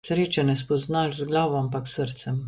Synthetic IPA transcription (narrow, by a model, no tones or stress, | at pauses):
sɾeːt͡ʃɛnɛspɔznaʒzɡlaːʋɔampaksəɾt̪sɛm